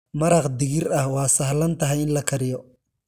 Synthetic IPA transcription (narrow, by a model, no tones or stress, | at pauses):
mɐɾɑqd̪ɪɣɪrɐhwɑːsɐhlɐnt̪ʰɐɦɛjɪnlɐkʰɐɾɪjɔ